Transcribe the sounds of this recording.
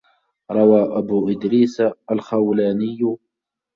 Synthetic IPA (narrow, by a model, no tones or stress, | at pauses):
ɾˤɑwaːʔabuːʔɪd̪ɾiːsaʔalxawlaːnɪjːʊ